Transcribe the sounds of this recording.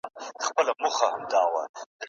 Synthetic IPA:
xpəlamʊxahamd̪ɑːwa̰d̪̥

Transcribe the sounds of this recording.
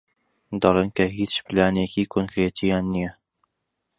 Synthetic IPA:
d̪ɑlˠeːnkʰɐɦit͡ʃplaːnekikʰoŋkɾet̪ʰijaːnːijɐ

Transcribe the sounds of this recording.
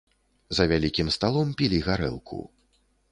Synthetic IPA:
zɐvʲalʲikʲimst̪alˠɔmpʲilʲiɣaɾɛ̰lˠkʰṵ

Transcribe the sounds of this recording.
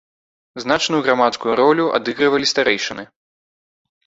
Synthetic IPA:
znat͡ʂnujuɣɾamat̪skujuɾɔlʲuʔa̰d̪ɨɣɾɨvɐlʲist̪aɾɛjʂɐnɨ

